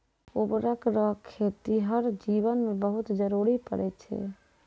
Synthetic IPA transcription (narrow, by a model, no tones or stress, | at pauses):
obɾəkɾɔkʰːet̪iɦəɾd͡ʒibənmebəɦut̪d͡ʒəɾuɾipə̰ɾɛt͡ʃʰɛ̰